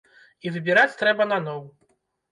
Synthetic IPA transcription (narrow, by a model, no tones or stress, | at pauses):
ivɨbʲiɾat͡sʲt̪ɾɛbɐnanɔw